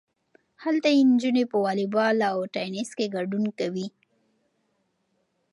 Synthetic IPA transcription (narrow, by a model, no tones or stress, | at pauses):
halt̪ajend͡ʒunepəwɑlibɑlawʈɑjniskeɡaɖunkawi